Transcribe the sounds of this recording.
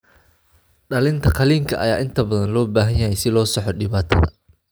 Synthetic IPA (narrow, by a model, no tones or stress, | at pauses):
ɖɐlɪnt̪ʰɐqʰɐliːŋkʰɐʔɐ̰jaːʔɪnt̪ʰɐbɐðɐnlɔːbaːɦɐnjɐɦɛjsɪlɔːsɔħɔɗɪβaːt̪ʰɐ̰ðɐ̰